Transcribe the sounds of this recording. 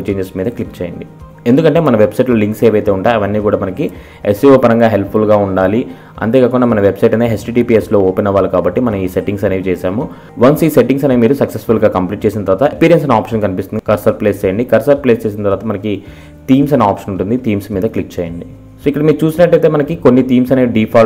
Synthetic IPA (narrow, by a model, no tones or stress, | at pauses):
t͡ʃeːɲd͡ʒesmiːd̪ɐklik̚t͡ʃɛːjɐɳɖi | end̪ukɐɳʈe̞ːmɐnɐʋe̞bsɐjʈlɐːliŋkseːʋɐjt̪e̞ːuɳʈaːjɐʋɐnːiːkuːɽaːmɐnɐki | esioːpɐɾɐŋɡaːɦe̞lp̚ʰpʰulɡaːuɳɖaːli | ɐ̰nt̪ekaːkuɳːɖaːmɐnɐʋe̞bsɐjʈɐnt̪eɦesʈiːʈiːpiːeslo̞ːɔːpinɐʋaːlukaːbɐʈːimɐnɐmiːse̞ʈiŋɡsɐneːʋit͡ʃɛːsaːmu | ʋɐnsiːse̞ʈiŋs̬ɐneːmiːɾusɐksesfulɡaːkɐmpliːʈ̚t͡ʃeːs̬inɐt̪ɐɾʋaːt̪ɐepiːɾijensɐnaːpʂɐnkɐnipist̪und̪ikɐɾsɐɾpleːst͡ʃɛːjɐɳɖikɐɾsɐl̚pleːst͡ʃeːs̬inɐt̪ɐɾʋaːt̪ɐmɐnɐki | t̪iːmsɐnaːpʂɐnuɳʈund̪it̪iːmsmiːd̪ɐklik̚t͡ʃɛːjɐɳɖi | soːikːɐɽɐmiːɾut͡ʃuːsinɐʈːɐjt̪e̞ːmɐnɐkikonːit̪iːmsɐneiɖiːpʰaː